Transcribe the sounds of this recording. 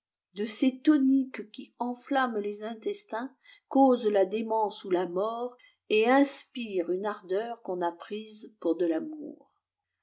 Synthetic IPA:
d̪əset̪ɔnikkʲiɑ̃flamlezɛ̃t̪ɛst̪ɛ̃ | kozlad̪emɑ̃sulamɔʁ | eɛ̃spiʁynaʁd̪œʁkɔ̃napχizpuʁd̪əlamṵːʁ

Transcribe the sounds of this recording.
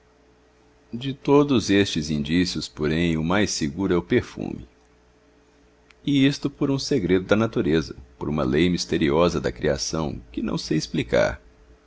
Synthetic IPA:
d͡ʒɪt̪od̪ʊzest͡ʃɪzĩnd͡ʒisiʊspoɾẽj̃ʊmajsɪɡuɾʊɛʊpeɾfṵ̃mɪ | ɪist̪ʊpoɾũseɡɾed̪ʊd̪ɐnat̪uɾezɐpoɾũmɐ̰lejmist̪eɾiɔzɐd̪ɐ̰kɾia̰sɐ̃w̃kɪnɐ̰̃w̃seisplika̰ɾ

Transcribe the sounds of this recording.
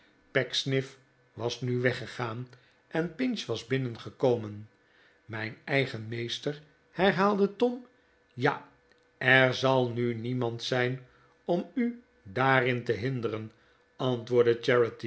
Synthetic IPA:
pɛksnɪf | ʋɑsnyʋɛχəχaːn | ʔɛnpɪnsʋɑzbɪnənχəkowmən | mɛjnɛjχənmejstəɹ | hɛɹɦaːlˠdətɔm | ja̰ | ʔɛɹzɑlˠnynimɑntsɛjn | ɔmy | daːrɪntəɦɪndəɾən | ɑntʋʊːɹdət͡ʃɛɹəti

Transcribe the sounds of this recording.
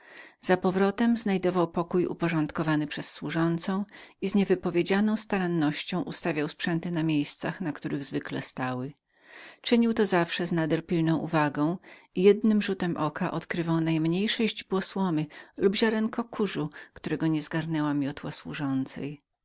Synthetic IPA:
z̥apɔvɾɔt̪ɛmznajd̪ɔvawpɔkujṵpɔʐɔnt̪kɔvanɘpʂɛsːwuʐɔnt̪sɔ̃w̃izɲɛvɘpɔvʲjed͡ʑanɔ̃w̃st̪aɾanːɔɕt͡ɕɔ̃w̃ʔust̪avʲjawspʂɛnt̪ɘnamʲjejst̪saxnakt̪uɾɘɣzvɘklɛ̰st̪awɘ | t͡ʂɘɲiwt̪ɔzafʂɛznad̪ɛlpʲilnɔ̃w̃ʔṵvaɡɔ̃w̃ijɛd̪nɘmʐut̪ɛmʔɔkaʔɔt̪kɾɘvawnajmɲejʂɔʑd͡ʑbwɔswɔmɘlubʑaɾɛŋkʰɔkʰuʐukt̪uɾɛɡɔɲɛzɡaɾnɛwamʲijɔt̪waswṵʐɔnt̪sɛ̰j

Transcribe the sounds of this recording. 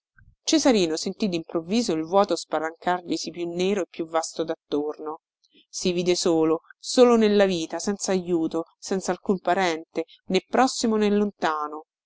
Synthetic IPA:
t͡ʃezaɾiːnosent̪id̪impɾovːiːzoilvwɔːt̪ospaɾaŋkarʎisipjunːeːɾoepːjuvːast̪od̪at̪ːorno | siviːd̪esoːlosoːlonelːaviːt̪asɛnt̪saːjuːt̪osɛnt̪salkumpaɾɛnt̪e | nepːɾɔsːimonelːont̪aːno

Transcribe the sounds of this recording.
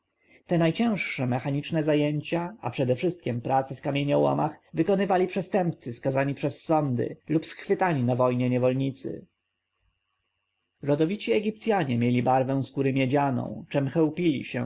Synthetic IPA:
t̪ɛnajt͡ɕɛ̃w̃ʂʂɛmɛxaɲit͡ʂnɛzajeɲt͡ɕaa̰pʂɛd̪ɛfʂɘst̪̚kʲɛmpɾat̪sɛfkamʲjeɲɔwɔ̰maxvɘkɔnɘvalʲipʂɛst̪ɛmpt̪sɘskazaɲipʂɛsːɔnd̪ɘ̰lupsxfɘt̪aɲinavɔjɲɛɲɛvɔlɲit̪sɘ̰ | ɾɔd̪ɔvʲit͡ɕiɛɡʲip̚t̪sʲjaɲɛmʲjelʲibaɾvɛ̃w̃skuɾɘmʲjɛd͡ʑanɔ̰̃w̃t͡ʂɛmxɛwpʲilʲḭɕɛ̰

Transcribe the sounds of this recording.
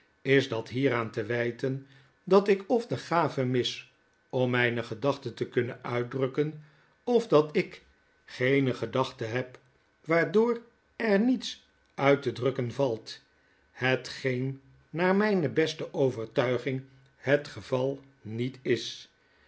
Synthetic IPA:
ɪzdɑtɦiːɾaːntəʋɛjtən | dɑtɪkɔfdəχaːvəmɪs | ɔmːɛjnəχədɑχtətəkɵnənœɥt̚drɵkən | ɔfdɑtɪk | χejnəχədɑχtəɦɛp | ʋaːɹdʊːr | ɛɹnits | œɥtədrɵkənvɑlˠt | hətχejnː | aːɹmɛjnəbɛstəʔowvəɹtœɥχɪŋ | hətχəvɑlˠ | nitɪs

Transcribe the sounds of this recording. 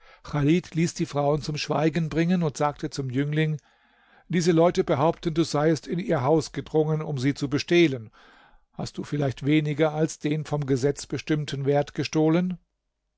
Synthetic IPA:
xaliːtʰliːsd̥iːfʁ̥aʊənt͡sʊmʃv̥a̰ɪɡənbʁɪŋənʊntz̥aːk̚tʰət͡sʊmjʏŋlɪŋ | d̥iːzəlɔʏtəbəɦaʊptən̩duːzaɪəstɪniːɐɦaʊsɡ̥ədʁʊŋənʊmziːt͡subəʃtɛːlən | ha̰st̚d̥uːfɪlaɪçtv̥eːnɪɡɐalsd̥eːnfɔmɡəzɛt͡sb̥əʃtɪmtʰənveːɐtɡ̥əʃtoːlən

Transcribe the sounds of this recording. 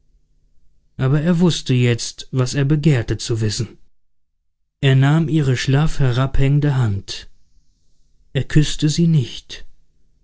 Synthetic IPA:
ʔaːbɐeːɐvʊstəjɛt͡stv̥aseːɐbəɡeːɐtət͡suvɪsn̩ | ʔeːɐnaːmʔiːʁəʃlaːfhɛʁaphɛŋəndəɦant | ʔeːɐkʰʏstəziːnɪçt

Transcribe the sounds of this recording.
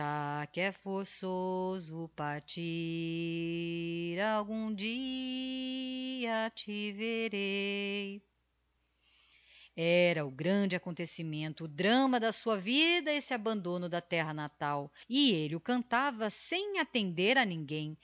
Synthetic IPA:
akɪɛfoɾsozʊpaɾt͡ʃi | ɾawɡũd͡ʒi | ɐt͡ʃɪveɾej | ɛɾɐʊɡɾɐ̃d͡ʒɪakõnt̪esimẽnt̪ʊːd̪ɾɐ̃mɐd̪ɐsuɐvid̪ɐɪsɪabɐ̃nd̪õnʊd̪ɐt̪ɛɦɐnat̪awɪelɪʊkɐ̃nt̪avɐsẽj̃at̪ẽnd̪eɾɐnĩɡẽj̃

